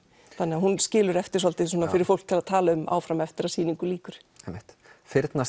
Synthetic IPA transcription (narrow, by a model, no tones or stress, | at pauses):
θθanɛaɦunscɪːlʏɾɛft̪ɪɾ̥sɔlt̪ɪsuːnafɪɾɪɾ̥fowl̥kt̪ʰɪlaðt̪ʰaːlaʏmʔa̰ːwfɾamɛft̪ɪɾasiːniŋkʏliːkʏɾ̥ | ɛjmɪht̪ | fɪɾt̪na